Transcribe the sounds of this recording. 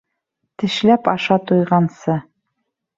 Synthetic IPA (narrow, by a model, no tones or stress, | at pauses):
t̪ɘ̆ʃlæpɑʃɑt̪ujʁɑnsɤ